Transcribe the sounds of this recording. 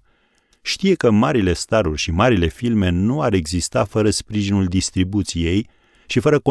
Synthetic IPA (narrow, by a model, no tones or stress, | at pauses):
ʃt̪ije̞kəmaɾile̞st̪aɾurʲʃimaɾile̞filme̞nuaɾe̞ɡzist̪afəɾəspɾiʒinuld̪ist̪ɾibut̪sije̞j | ʃifəɾəko